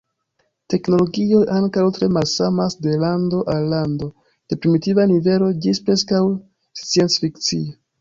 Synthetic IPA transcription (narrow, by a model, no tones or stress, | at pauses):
te̞kno̞lo̞ɡio̞jʔaŋkawtɾe̞malsamasde̞lando̞ʔalːando̞ | d̥e̞pɾimitivanive̞lo̞d͡ʒispɾe̞skaw | st͡sie̞nt͡sfikt͡sio